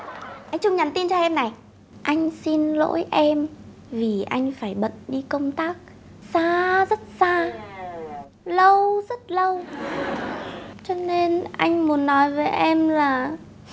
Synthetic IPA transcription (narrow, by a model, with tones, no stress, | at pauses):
ʔa˧jŋ̟t͡ɕʊ˧ŋ͡mɲa˨˩nt̪i˧nt͡ɕɔ˧ʔɛ˧mna˨˩j | ʔa˧jŋ̟si˧nlo̰˧˥jʔɛ˧m | vi˨˩ʔa˧jŋ̟faː˧˩jɓə̰˧˨nɗi˧kə˧wŋ͡mt̪aː˦˥k̚ | saː˧zə˦˥t̚saː˧ | lə˧wzə˦˥t̚lə˧w | t͡ɕɔ˧ne˧nʔa˧jŋ̟mu˨˦ənːɔ˨˦jve˨˩ʔɛ˧mlaː˨˩